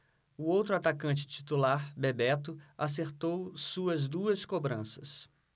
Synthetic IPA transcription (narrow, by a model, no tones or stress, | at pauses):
ʊowt̪ɾʊat̪akɐ̃t͡ʃɪ̥t͡ʃi̥t̪ulaɾbebɛt̪ʊas̬eɾt̪owsuɐzd̪uɐskobɾɐ̃sɐs